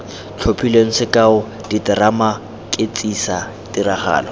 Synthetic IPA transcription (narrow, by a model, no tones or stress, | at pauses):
t͡ɬʰopʰileŋ̩sɪkʼaʊ | ditɪrama | kʼɪt͡sʼisa | tiɾaχa̰ːlɔ